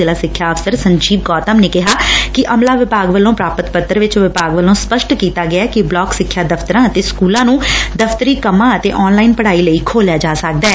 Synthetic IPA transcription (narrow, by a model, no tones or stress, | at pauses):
eːlaːsɪkʰːjaːəfsəɾsəɲd͡ʒiːbɡɔːt̪əmneːkɪɦaːkɪʔəmlaːʋɪpaːɡʋəlõːpɾaːpət̪pət̪ːəɾʋɪt͡ʃʋɪpaːɡʋəlːõːspəʃʈkiːt̪aːɡɪaːkɪblɔːksɪkʰːjaːd̪əfʰt̪əɾãːət̪eːskuːlãːnũːd̪əfʰt̪əɾiːkəmãːət̪eːʔɔːnlaːinpəɽ̤aːiːləiːkʰoːljaːd͡ʒaːsək̚d̪aɛː